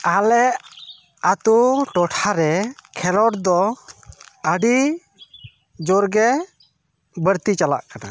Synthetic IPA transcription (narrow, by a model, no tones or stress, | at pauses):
alɛʔ | at̪uʈɔʈʰaɾɛkʰɛlɔʈd̪ɔ | əɖi | d͡ʒɔɾɡɛ | bəɾt̪it͡ʃala̰ʔkana̰